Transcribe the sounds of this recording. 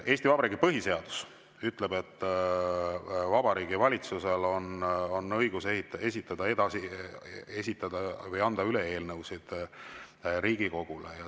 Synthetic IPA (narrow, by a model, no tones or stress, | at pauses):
e̞ːsʲt̪ivɑbɑɾiːɡipɤɦise̞ɑd̪̥us | yt̪ˑle̞be̞t̪ːˑ | vɑbɑɾiːɡivɑlʲit̪suse̞lo̞nonːɤjɡ̥usehit̪e̞sʲit̪ːˑɑd̪̥ɑe̞d̪ɑsi | e̞sʲit̪ːˑɑd̪ɑvɯjɑnd̪̥ɑyle̞e̞ːlnɤwsid̪̥ | ɾiːɡiko̞ɡ̥ulḛjɑ